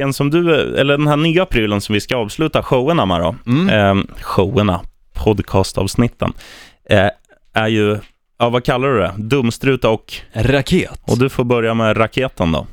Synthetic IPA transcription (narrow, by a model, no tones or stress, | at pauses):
ɛnsɔmd̪ɵɛ̰lːəɖɛnhæːɳyːapʰɾiːlənsɔmvɪskaɑːvslʉ̟ːt̪aɧowəɳamæ̰ɾɔ̰ | ɧowəɳa | pʰɔd̪kʰɑːst̪ɑ̰ːvsnɪt̪ʰːə̰n | æɾjɵ | ɑːvakʰalːaɖɵd̪ɛ̰d̪ɵmːst̪ɾʉ̟ːt̪aɔkɾakʰeːt̪ɔd̪ɵfoːɾbœɾjamɛɾakʰeːt̪ənd̪ɔ̰